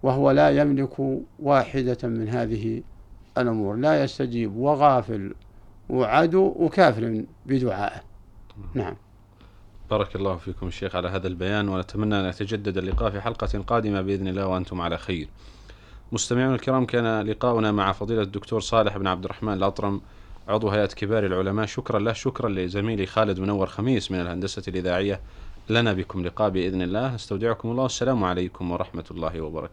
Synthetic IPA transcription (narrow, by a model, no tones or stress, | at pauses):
waɦwalajamlɪkʰwaːħɪd̪amɪnɦaːðɪɦiʔalʔʊmuːɾlajast̪ad͡ʒiːbwaɣaːfɪ̰lwʕad̪uwwkaːfɪɾɪ | bɪd̪ʊʕa̰ːʔɪ | naʕam | b̥ɑːɾˤɑkɑlˤːɑːhfiːkʊmaʃːeːxʕalaɦaːðalbajaːnwanat̪amanːaʔanʔat̪ad͡ʒad̪ːad̪alːɪqɑːʔfiħalqɑqɑːd̪ɪmabɪʔɪðnɪlːaːhwʔant̪ʊmʕalaxajɾ | mʊst̪amɪʕuːnalkɪɾɑːmkaːnalɪqɑːʔʊnamaʕafɑðˤiːlad̪ːʊkt̪uːɾˤsˤɑːlɪħʔɪbnʕab̚d̪ɪɾrˤːɑħmaːnɪlʔɑt̪ˤɾˤɑm | ʕʊd̪ˤwɦajaːt̪kɪbaːɾilʕʊlamaːʔʃʊkɾˤɑnlahʃʊkɾˤɑnlizamiːlixaːlɪd̪mʊnawːɑɾˤxamiːsmɪnalhand̪asalʔɪðaːʕɪjːalanabɪkʊmlɪqɑːʔbɪʔɪðnɪlːaːhʔast̪awd̪ɪʕʊkʊmɑlˤːɑːwasːalaːmʕalajkʊmwɑɾˤɑħmat̪lˤːɑːhɪwabɑ̰ɾˤɑ̰ka